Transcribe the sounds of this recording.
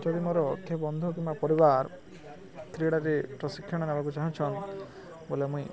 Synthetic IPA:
d͡ʒɔd̪imɔɾɔkʰebɔnd̪ʱuk̬imbapɔɾibaɾ | t̪ɾiɽaɾepɾɔsikʰːjɔɽ̃ɔnebakut͡ʃaɦũt͡ʃʰɔn | bolemũi

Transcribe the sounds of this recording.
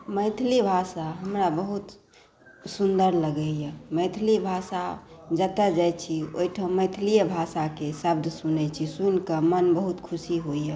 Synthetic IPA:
məɪt̪ʰlibʱasaɦəmɾabəɦut̪ | sund̪əɾləɡɛjɛməɪt̪ʰlibʱasad͡ʒət̪əd͡ʒajt͡ʃʰio̰iʈʰəməɪt̪ʰlijəbʱasakesəb̚d̪ʱsunɛt͡ʃʰisunkəmənbəɦut̪kʰusiɦoiɦɛ

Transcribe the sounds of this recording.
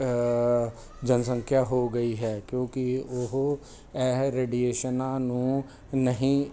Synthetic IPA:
d͡ʒənsə̃ŋkʰjaɦoːɡəiɦɛːkjõːkiʊɦ | ɛːɦɾeːɖieːʃənãːnũː | nəɦĩː

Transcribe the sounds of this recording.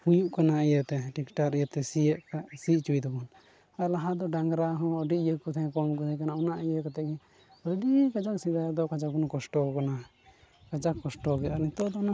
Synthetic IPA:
hujuʔkanaʔɛjət̪ɛʈikʈakijət̪ɛsiəʔkaʔsiʔt͡ʃujd̪ɔbɔn | alaɦad̪ɔɖaŋɡɾaɦɔ̃ɖiʔjəkɔt̪ʰɛɛ̃kɔmkɔt̪ʰɛ̃kanaunaʔɛjəkɔt̪ɛʔɡɛ | bəɖikad͡ʒak̚sid̪aad̪ɔkad͡ʒak̚bunkɔsʈɔkana | kad͡ʒakːɔsʈɔkɛaɾnit̪ɔd̪ɔna

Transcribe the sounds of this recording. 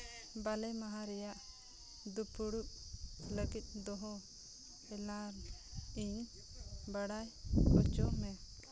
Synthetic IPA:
balɛmaɦaɾɛjaʔ | d̪upuɽup̚ləɡit̪̚ˀd̪ɔɦɔ | ɛlaɾiɲ | baɽajbɔt͡ʃɔʔmɛ

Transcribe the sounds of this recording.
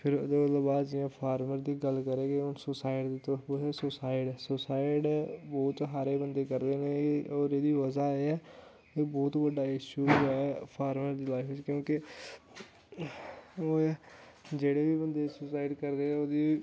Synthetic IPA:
pʰɪɾd̪ot̪ləbaːd͡ʒɪjãːpʰaːɾməɾd̪iːɡəlkəɾẽːɡeʊnsʊsaːɪɖd̪iːt̪opoɦeːsʊsaːɪɖɛːsʊsaːɪɖbɔːt̪ɦaːɾeːbənd̪eːkəɾd̪eːneːɔːɾeːd̪iːʋəzaːeːɛː | eːbɔːt̪bəɖaːɪʃuːɛpʰaːɾməɾd̪iːlaːɪft͡ʃkjõːkɪ | oː | d͡ʒeːɽeːbiːbənd̪eːsʊsaːɪɖkəɾd̪eːɛoːd̪iː

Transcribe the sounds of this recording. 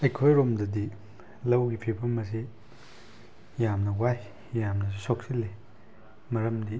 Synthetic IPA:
ɐjkʰojɾomdɐdi | lɐwɡipʰibɐmːɐsi | jamnɐwaj | jamnɐs̬isok̚silːi | mɐɾɐmdi

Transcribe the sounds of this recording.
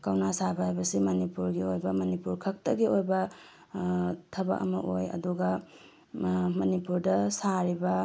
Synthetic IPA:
kawnasabaɦajbɐsimɐnipuɾɡiojbɐmɐnipuɾkʰɐk̚tɐɡiojbɐ | tʰɐbɐ̰k̚ɐ̰mɐʔojɐ̰duɡɐ | mɐnipuɾdɐsaɾibɐ

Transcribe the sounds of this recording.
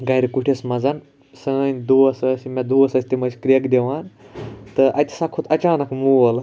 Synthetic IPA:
ɡɐjɾʲikuʈʰesmɐd͡zɐn | sɐnʲd̪uɐsɐsimʲɐd̪uɐsɐsʲt̪ʲimɐsʲkɾʲekd̪ʲeʋaːnt̪ɨʔɐt̪ʲi̥sakʰot̪ʰɐt͡ʃaːnɐkmuʋɐl

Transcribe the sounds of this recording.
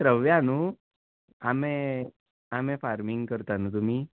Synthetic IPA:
tɾəʋjanuː | ame | amɛ̃faɾmiŋɡkəɾt̪anuːt̪um̤iː

